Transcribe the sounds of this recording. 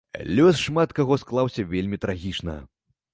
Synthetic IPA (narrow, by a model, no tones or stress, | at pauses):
lʲɔsʂmat̪kaɣɔsklˠawsʲɐvʲelʲmʲit̪ɾaɣʲit͡ʂnɐ̰